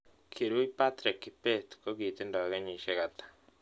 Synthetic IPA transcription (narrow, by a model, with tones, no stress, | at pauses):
kʰi˨ɾwe˦ipat̪ɾi˨kipet̪ko˦ɡi˨t̪e˦ndɔ˨ɣe˦ɲi˨ʃeɣat̪ḁ